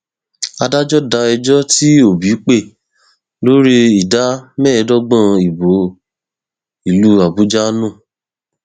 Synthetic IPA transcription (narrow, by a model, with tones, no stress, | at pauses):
a˧da˦d͡ʒɔ˦da˧ɛ˧d͡ʒɔ˦ti˦o˨bi˨˦k͡pe˦˨ | lo˦ɾi˦i˨da˨˦mɛ˦˧˦dɔ˦ɡ͡bã˦˨i˨bo˨˦ | i˨lu˦a˨bu˨˦d͡ʒa˦nũ˦˨